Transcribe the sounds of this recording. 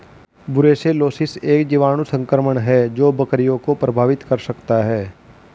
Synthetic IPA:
bʊɾeːseloːsɪseːkd͡ʒiʋaːñũsə̃ŋkɾəməɳ̃ɦɛːd͡ʒoːbəkɾijõkopɾəbʱaːʋɪt̪kəɾsəkt̪aɦɛː

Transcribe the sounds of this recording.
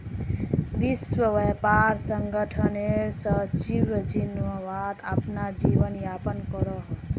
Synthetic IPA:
biswəʋɛpaɾsəŋɡəʈʰəneɾsʌt͡ʃiwəd͡ʒinəʋad̪apnad͡ʒiʋənjapənkɔɾɔ

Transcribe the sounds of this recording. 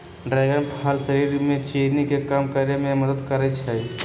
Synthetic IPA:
ɖɾaɪɡənpʰɦaːlsəɾiːɾmẽt͡ʃeɾnikekamkaɾjamẽməd̪əd̪kəɾət͡ʃʰai

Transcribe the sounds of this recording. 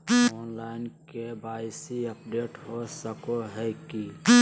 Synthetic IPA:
oːnlaːɪnkebaːɪsiəpɖeːʈɦosəkoɦɛki

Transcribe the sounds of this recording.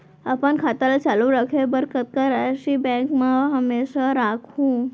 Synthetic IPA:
ɐpənkʰaːt̪alat͡ʃaluɾəkʰebəɾkət̪̚kaɾɛʃibɛ̃ːkmãɦɐmeːʃaɾaːkʰɦũ

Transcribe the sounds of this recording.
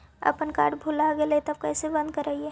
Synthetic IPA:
ə̰pənkaːɾɖbʱulaɡelet̪ɐb̚kɛːsebə̃nd̪̚kəɾɐɦie

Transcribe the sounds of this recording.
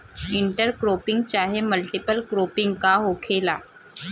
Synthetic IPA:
ɪ̃ɳʈəɾkɾoːpɪ̃ŋɡ̚t͡ʃaːɦeməlʈɪpəlkɾoːpɪ̃ŋɡkaɦoːkʰeːlaː

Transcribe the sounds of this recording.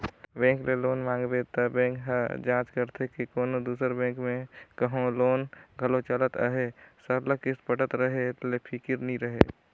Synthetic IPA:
bɛ̃ːŋkleloːnmãːŋɡbet̪əbɛ̃ːkɦɛd͡ʒãːt͡ʃkəɾt̪ʰekikoːnod̪uːsəɾbɛ̃ːŋkmẽkəɦõloːnɡʱəlot͡ʃələt̪ə̰ɦesəɾləkɪspəʈət̪ɾəɦelepʰikɪɾnĩɾəɦe

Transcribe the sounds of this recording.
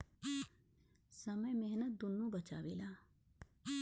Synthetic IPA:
sɐməjmeɦnət̪̚d̪ʊnːũbɐt͡ʃa̰ːʋilaː

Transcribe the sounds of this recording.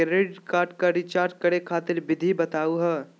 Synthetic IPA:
ɾeɖkaːɾʈkaɾit͡ʃaːɾʈ̚kɐɽekʰaːt̪ɪɾbɪd̪ʱibɐt̪aːuɦɛː

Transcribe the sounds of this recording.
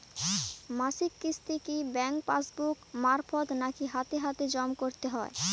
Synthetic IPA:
masikːist̪ikibɛŋk̚pasbukmaɾfot̪nakiɦat̪eɦat̪ed͡ʑɔmkoɾt̪eɦɔe

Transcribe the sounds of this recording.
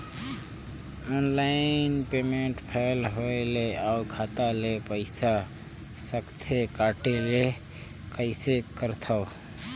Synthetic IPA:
ɔːnlaɪnpeːmẽɳʈpʰɛːlɦoeleakʰaːt̪alepəɪsa | səkt̪ʰekaːʈele | kəɪsekəɾt̪ʰaw

